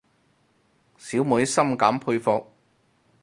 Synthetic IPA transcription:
siː˨˥wmu˨˧˥jsɐ˥mkaː˨˥mpʰu˧ɥfɔ˧k̚

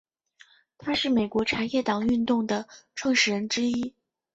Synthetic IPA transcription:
t̪ʰa˥ʂɻ̩˥˩me˨˩ɪkwɔ˧˥ʈ͡ʂʰa˧˥njɛ˥˩t̪ɑ˨˩ŋy˥˧nt̪ʊ˥˩ŋd̪ə˩ʈ͡ʂʰwɤ˥˧ŋʂɻ̩˨˧˩ɻə˧˥nʈ͡ʂɻ̩˥i˥

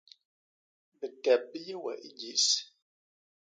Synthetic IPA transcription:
bə˨tɛ˨b̚ji˦wɛ̰˨ʔi˦ɡi˦˨s

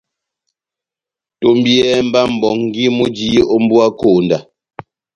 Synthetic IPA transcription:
to˨m˦bjɛ˦m̩˦ba˦m̩˨bɔ˨ŋŋ̩˦ɡi˦mu˦d͡ʒi˦ɔ˦m̩˦bwa˦ko˨nda˨

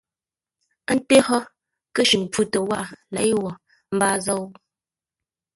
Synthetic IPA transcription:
n̩˦te˦hɔ˦ | kə˦ʃi˨ŋ˨pu˦tə˨wa˦˨lɛ˨jwɔ˨ | m̩˦baː˦zɔ˦w

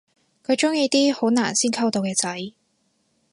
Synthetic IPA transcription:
kʰɵ˨˧t͡sʊ˥ŋjiː˧t̪iː˥ho˨˥wna̰ː˨˩nsiː˥nkʰɐ˥wt̪o˧wkɛː˧t͡sɐ˨˥j

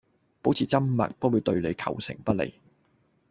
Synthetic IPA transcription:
po˨˥wt͡sʰiː˨˩t͡sɐ˥mmɐ̰˨t̚pɔ˥wu˨˧˥t̪ɵ˧ɥle˨˧jkʰɐ̰˨˩wsɪ̰˨˩ŋpɐ˥lḛ˨˩j

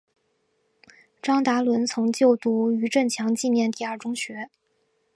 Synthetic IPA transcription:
ʈ͡ʂɑ˥ŋt̪a˧˥lwə˧˥nt͡sʰʊ˧˥ŋt͡ɕjo˥˧ʊt̪u˧˥˩y˧˥ʈ͡ʂə˥˩nt͡ɕʰjɑ˧˥ŋt͡ɕi˥˧mjɛ˥˧nt̪i˥˧ə˞˥˩ʈ͡ʂʊ˥ŋɕɥɛ˧˥

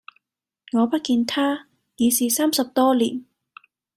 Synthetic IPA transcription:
ŋɔː˨˧pɐ˥t̚kiː˧nt̪ʰaː˥ | jiː˨˧siː˨˩saː˥msɐ˨p̚t̪ɔː˥liː˨˩n

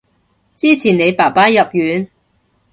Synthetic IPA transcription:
t͡siː˥t͡sʰiː˨˩ne˨˧jpaː˨˩paː˥jɐ˨p̚jyː˨˧n

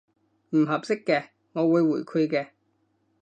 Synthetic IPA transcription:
m̩˨˩ɦɐ˨p̚sɪ˥kːɛː˧ | ŋɔː˨˧wuː˨˧jwuː˨˩jkʰʊ˧kɛː˧

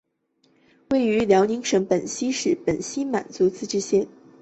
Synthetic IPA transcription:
we˥˩ɪy˧˥ljɑ˧˥ʊni˧˥ŋʂɤ˧˥ŋpə˨˩nɕi˥ʂɻ̩˥˩pə˨˩nɕi˥ma̰˨˩nt͡su˧˥t͡sɹ̩˥˧ʈ͡ʂɻ̩˥˧ɕjɛ˥˩n

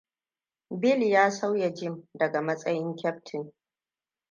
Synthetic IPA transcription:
bɪ˦˨ljaː˦sa˦wja˨d͡ʒɪ˦mdɐ˨ɡa˨mɐ˦sʼɐ˦jɪ˦ŋkʲɛ˦p̚tʰɪ˨n

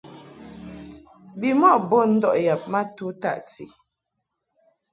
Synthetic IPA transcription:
bi˨mɔ˦˨bo˦˨n̩˦dɔ˦˨ʔja˨p̚ma˦tu˨˦ta̰˦ʔtḭ˨

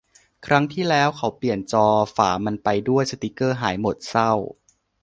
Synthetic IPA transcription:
kʰɾa˦˥ŋt̪ʰiː˥˩lɛː˦˥wkʰa˦˥wpli˨˩ənt͡ɕɔː˧fa̰ː˩ma˧npa˧jdu˥˩əjsa˧t̪i˦˥kɤː˥˩ɦaː˩˦jmo˨˩t̪̚sa˥˩w

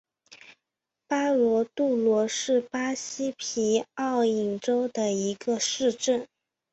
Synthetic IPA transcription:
pa˥lwɔ˧˥t̪u˥˩lwɔ˧˥ʂɻ̩˥˩pa˥ɕi˥pʰi˧˥ɑ˥˩ʊi˨˩ŋʈ͡ʂo˥ʊd̪ə˨i˧˥ɡə˧ʂɻ̩˥˧ʈ͡ʂə˥˩n

